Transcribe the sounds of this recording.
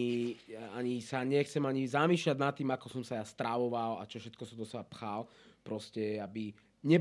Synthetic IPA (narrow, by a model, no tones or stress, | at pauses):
aɲisaɲɛxt͡sɛmaɲizamiːʃlaɟnat̪ːiːmakɔsɔmsajast̪ɾaʋɔʋala̰t͡ʃɔfʃɛt̪̚kɔsɔmd̪ɔsɛbapxal | pɾɔscɛabi | ɲɛ